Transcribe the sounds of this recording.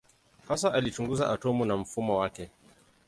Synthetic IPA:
hasaʔalit͡ʃuŋɡuzaʔatɔmunam̩fumɔwakɛ

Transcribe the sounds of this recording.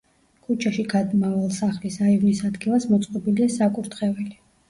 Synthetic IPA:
kʰut͡ʃʰaʃiɡad̪mavalˠsaχlisaivnisad̪ɡilˠasmɔt̪sʼqʼɔbiliasakʼuɾt̪χɛvɛli

